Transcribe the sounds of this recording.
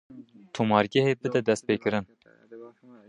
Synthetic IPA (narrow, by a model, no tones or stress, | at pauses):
t̪ʰumɑːɾɡʲɛheːbɨd̪ɛd̪ɛst̪peːkɨɾɨn